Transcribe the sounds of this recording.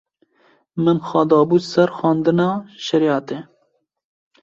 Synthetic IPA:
mɨnxɑːd̪ɑːbuːsɛɾxɑːnd̪ɨnɑːʃɛɾjɑːt̪e

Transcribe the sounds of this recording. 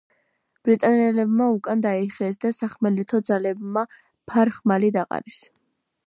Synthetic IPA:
b̥ɾit̪ʼanɛlɛbmaukʼand̪aiχɛsd̪asaχmɛlit̪ʰɔd̪zalɛbma | pʰaɾχmalid̪aqʼa̰ɾɛs

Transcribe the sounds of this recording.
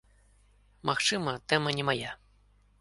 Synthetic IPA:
maxt͡ʂɨmɐt̪ɛmɐnʲɛmaja

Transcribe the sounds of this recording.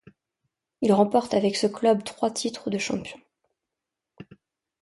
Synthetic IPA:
ilʁɑ̃pɔʁt̪avɛksəklœbt̪χwat̪ʰit̪χəd̪əʃɑ̰̃pjɔ̃

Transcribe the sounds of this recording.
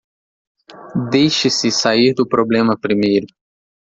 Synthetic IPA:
d̪ejʃɪsɪsaiɾd̪ʊpɾoblẽmɐpɾimejɾʊ

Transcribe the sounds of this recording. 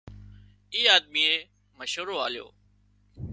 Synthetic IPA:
iːaːd̪̚miːeː | məʃɦuːɾoːaːljo̰ː

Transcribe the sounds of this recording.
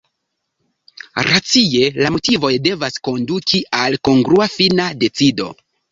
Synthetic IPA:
ɾat͡sije̞lamo̞tivo̞jde̞vasko̞ndukʰialko̞ŋɡɾuafinade̞t͡sido̞̰

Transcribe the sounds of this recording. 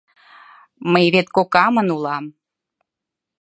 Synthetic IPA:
məjβet̪̚kokɑmənulɑm

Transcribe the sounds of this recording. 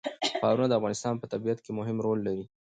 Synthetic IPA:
pɑɾunad̪əafɣɑnɪst̪ɑnpət̪abijat̪kemʊɦɪmɾolːaɾi

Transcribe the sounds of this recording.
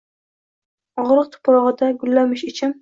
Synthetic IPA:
ɒʁɾɨq̚t̪ʰʊ̥pɾɒʁɨd̪aɡʊlːamɪʃɪt͡ʃʰɪm

